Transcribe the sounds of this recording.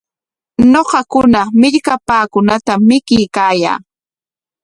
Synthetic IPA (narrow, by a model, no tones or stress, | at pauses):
ɲoqɑkʊnamɪʎkapaːkʊnat̪amːɪkɪjkaːja̰ː